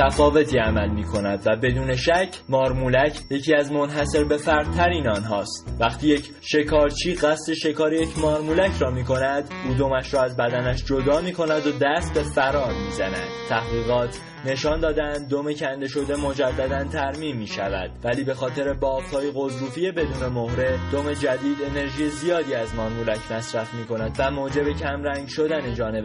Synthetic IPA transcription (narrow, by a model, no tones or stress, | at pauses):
t̪ʰæfɒːve̞t̪ʰiːæmælmiːkʰo̞næd̪væbe̞d̪uːne̞ʃæcʰmɒːɾmulæcʰje̞cʰiːæzmo̞nɦæse̞ɾbe̞fæɾd̪̥̚t̪ʰæɾiːnɒːnɦɒːst̪væχt̪ʰiːje̞c | ʃe̞kʰɒːɾt͡ʃʰiːɢæst̪e̞ʃe̞kɒːɾejecʰmɒːɾmuːlæcʰɾɒːmiːko̞næd̪uːd̪omæʃɾɒːæzbæd̪ænæʃd͡ʒod̪ɒːmiːkʰo̞næd̪od̪æst̪̚be̞fæɾɒːɾmiːzænæ̰d̪̥̚t̪ʰæhʁiːɣɒːt̪ʰ | ne̞ʃɒːnd̪ɒːd̪æænd̪̚ːome̞cʰænd̪e̞ʃo̞d̪e̞mo̞d͡ʒæd̪ːæd̪ænt̪ʰæɾmiːmːiːʃæ̰væ̰d̪̥væliːbe̞xɒːt̪ʰe̞ɾe̞bɒːft̪ʰɒːjeɣo̞zɾuːfie̞be̞d̪uːne̞mohɾe̞d̪̥ome̞d͡ʒæd̪iːd̪e̞ne̞ɾʒiːjezijɒːd̪iːæzmɒːɾmuːlæcʰmæsɾæfmiːko̞næd̪væmoːd͡ʒe̞be̞cʰæmɾæŋɟʃo̞d̪æne̞d͡ʒɒːne̞be